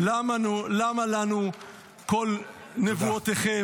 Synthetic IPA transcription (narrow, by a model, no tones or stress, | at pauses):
lamanulamalanu | ko̞l | nevuot̪eχe